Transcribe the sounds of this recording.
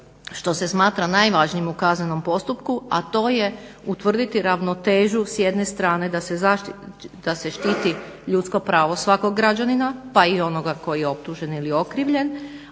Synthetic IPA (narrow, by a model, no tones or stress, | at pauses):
ʃt̪o̞se̞smaːt̪ɾanajʋaʒnijemukazneno̞mpo̞st̪upkua̰t̪o̞ːjeut̪ʋr̩d̪it̪iɾaʋno̞t̪e̞ːʒusjed̪ne̞st̪ɾaːne̞d̪aszaʃd̪̥ase̞ʃt̪iːt̪i | ʎut̪sko̞pɾaːʋo̞sʋako̞ɡːɾad͡ʒaninapaio̞no̞ɡako̞jijeo̞p̚t̪uʒe̞nilio̞kɾiʋʎe̞n